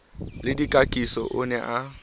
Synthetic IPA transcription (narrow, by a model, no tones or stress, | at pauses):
lɪdikʼakʼisɔ̰ʔʊnɛʔa